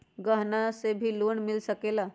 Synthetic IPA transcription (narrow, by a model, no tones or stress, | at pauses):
ɡəɦnasebʱiːloɳmilsəkela